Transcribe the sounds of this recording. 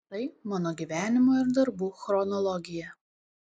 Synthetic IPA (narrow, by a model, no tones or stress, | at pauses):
t̪ɐɪmɑːnoːɡʲiːˑʋʲæːnʲɪmoːɪɾd̪ɐɾbuːxɾɔnɔlˠɔɡʲɪjɛ